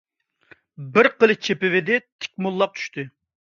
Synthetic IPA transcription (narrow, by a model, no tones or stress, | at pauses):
bɪɾqəlˠɨt͡ʃʰepɪvɪd̪ɪt̪ʰɪ̥k̚ʲmulˠːɑq̚t͡ʃ̪ʰy̥ʃt̪ʰɪ